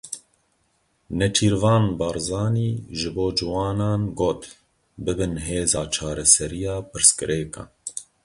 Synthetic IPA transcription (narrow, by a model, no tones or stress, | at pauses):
nɛt͡ʃʰiːɾvɑːnbɑɾzɑːniːʒɨboːd͡ʒɨwɑːnɑːnɡoːt̪ | bɨbɨnɦeːzɑːt͡ʃʰɑːɾɛsɛɾijɑːpɨɾskɨɾʔɛːkɑ̰ː